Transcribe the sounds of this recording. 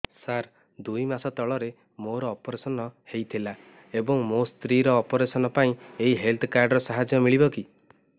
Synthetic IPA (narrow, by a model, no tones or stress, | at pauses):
saɾ | d̪ujmasɔt̪ɔɭɔɾe | moɾɔːpɔɾesɔnɔhejt̪ʰila | ebɔŋmost̪ɾiɾɔːpɔɾesɔnɔpaĩeɦiɦelt̪ʰɔkaɾɖɾɔsaɦad͡ʒjɔmiɭibɔki